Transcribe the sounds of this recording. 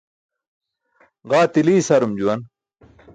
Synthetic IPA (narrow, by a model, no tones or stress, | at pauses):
ʁaːt̪iliːsɐɾumd͡ʑuwɐn